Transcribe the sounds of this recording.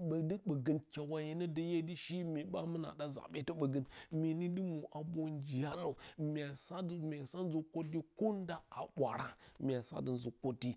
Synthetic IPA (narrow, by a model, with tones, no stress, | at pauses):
ɓə˨də˦ɓə˨ɡə˨nkʲa˨wa˨je˨nə˦də˨je˦di˦ʃi˦me˨ɓa˦mə˦na̰˨da˦za̰˨ɓe˦tə˦ɓə˨ɡə˦nme˨ni˦di˦mu˨ʔa˨bo˦nd͡ʒi˨a˦ɾa˦˨mʲ˨a˨sa˦dme˨sa˦n˦zu˨ko˦ti˦ko˦n˦da˦a˨ɓʷa˨ɾa˦mʲ˨a˨sa̰˦də˨nzu˨ko˦tːi˦